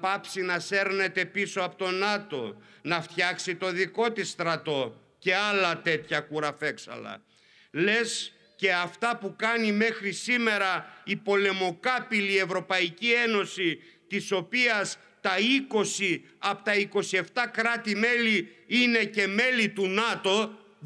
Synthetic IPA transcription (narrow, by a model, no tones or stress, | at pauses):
pɐpsinɐse̞ɾne̞t̪e̞pisoɐpot̪o̞nɐt̪o̞̰nɐft̪çɐksit̪o̞ðiko̞t̪ist̪ɾɐt̪o̞ | ce̞ɐlɐt̪e̞t̪çɐkuɾɐfe̞ksɐ̰lɐ̰ | le̞s | ce̞ɐft̪ɐpukɐnime̞xɾisime̞ɾɐipo̞le̞mo̞kɐpilie̞vɾo̞pɐicie̞no̞si | t̪iso̞piɐs | t̪ɐiko̞siɐpot̪ɐiko̞sie̞ft̪ɐkɾɐt̪ime̞liine̞ce̞me̞lit̪unɐt̪o̞